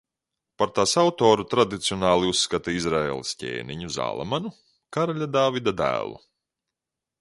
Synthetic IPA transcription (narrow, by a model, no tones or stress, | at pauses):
paɾt̪asawt̪oːɾut̪ɾad̪it̪siɔnaːlˠiusːkat̪iizɾaḛːlˠiscʲḛːniɲuza̰ːlˠa̰manu | kaɾaʎʲad̪aːvid̪ad̪æ̰ːlˠṵ